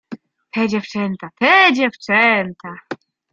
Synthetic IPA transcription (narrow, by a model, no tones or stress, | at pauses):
t̪ʰɛd͡ʑɛft͡ʂɛnt̪at̪ɛd͡ʑɛft͡ʂɛnt̪a